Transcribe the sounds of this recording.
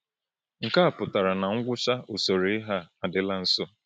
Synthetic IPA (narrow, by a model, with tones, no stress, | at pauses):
ŋ̩˨ka˦a˨pʊ˨ta˨ɾa˨na˨ŋ̩˦ɡʷʊ˦ʃa˦o˨so˨ɾe˨ɪ˦ɦa˦a˨dɪ˨la˦n̩˦so˦